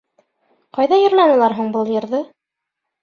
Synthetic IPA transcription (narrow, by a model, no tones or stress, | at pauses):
qɑjðɑjɤ̆ɾlˠɑnɤ̆lˠɑɾɦuɴbɤlˠjɤ̆ɾðɤ